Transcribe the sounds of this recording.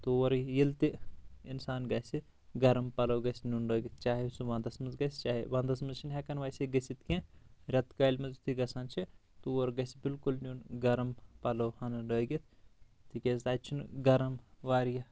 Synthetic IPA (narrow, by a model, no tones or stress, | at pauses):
t̪uʋɐɾjilt̪iinsaːnɡɐsi | ɡɐɾɐmpɐlɐwɡɐsʲnʲunɖoːɡʲit̪̚ʰt͡ʃaːɦisuʋãnd̪ɐsmɐzɡɐst͡ʃaːɦḭʋãnd̪ɐsmɐnzt͡ʃʰinɦɛkɐnʋaːjsiɡɐsit̪kẽɾɐt̪kalmɐzt̪ʰiɡɐsɐnt͡ʃʰit̪uɐɾɡɐsibilkulnʲunɡɐɾɐmpɐlowhɐnɐɖoːɡit̪̚ʰ | t̪ikʲɐst̪ɐːt͡ʃʰunɡɐɾɐmʋaːɾjɐ